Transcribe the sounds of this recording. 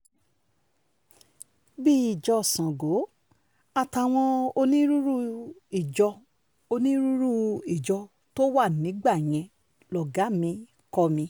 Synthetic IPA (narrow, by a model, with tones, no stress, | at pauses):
bi˦i˨d͡ʒɔ˧˨sã˨ɡo˨˦ | a˧˨ta˧˨w̃ɔ̃˧o˧nĩ˦ɾu˦ɾu˦i˨d͡ʒɔ˧ | o˧nĩ˦ɾu˦ɾu˦i˨d͡ʒɔ˧ | to˦wa˦˨nĩ˨˦ɡ͡ba˦˨j̃ɛ̃˧ | lɔ˨ɡa˨˦mĩ˧ | kɔ˧mĩ˧